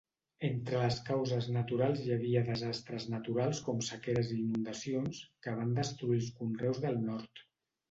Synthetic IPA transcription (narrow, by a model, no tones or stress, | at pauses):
ent̪ɾələskawzəznət̪uɾalˠzjəβiəðəzast̪ɾəznət̪uɾalˠskɔmsəkeɾəziːnund̪əsionskəβ̞and̪əst̪ɾuilˠskunrɛwzðəlˠnɔɾt̪